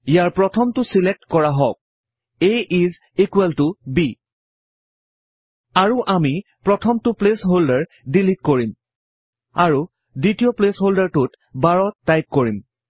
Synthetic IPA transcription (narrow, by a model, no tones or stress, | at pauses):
ijaɹpɹɔtʰɔmtʊsilek̚tkɔɹaɦɔk̚ | eʔiz | ikuɛltubi | aɹuʔami | pɹɔtʰɔmtʊplesɦoldaɹ | dilitkoɹim | aɹu | ditijɔplesɦoldaɹtʊt | baɹɔtːajp̚koɹim